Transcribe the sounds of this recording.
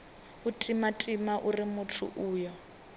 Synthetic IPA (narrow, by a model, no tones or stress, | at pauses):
utʼimatʼimaʔurimutʰṵʔuːjɔ